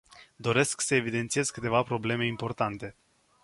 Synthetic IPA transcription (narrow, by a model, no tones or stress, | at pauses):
d̪o̞ɾe̞sksəevid̪ent̪sie̞zkɨt̪e̞vapɾo̞ble̞me̞impo̞rt̪ant̪e̞